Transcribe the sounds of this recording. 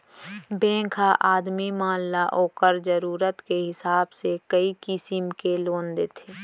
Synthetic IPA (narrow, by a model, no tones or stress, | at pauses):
bẽːkʰaʔaːd̪mimaːnlaʔoːkəɾd͡ʒəɾuːɾət̪keɦɪsaːbsekəikɪsɪmkeloːnd̪eːt̪ʰeː